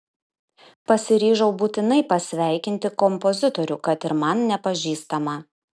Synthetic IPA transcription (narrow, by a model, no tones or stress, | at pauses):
pɐsʲɪɾʲiːʒɐʊbuːt̪ʲɪnɐɪpɐsʲʋʲæˑɪkʲɪnʲt̪ʲɪkɔmpɔzʲɪt̪ɔɾʲʊkɐt̪ɪɾmɐnnʲɛpɐʒʲiːst̪ɐmɐ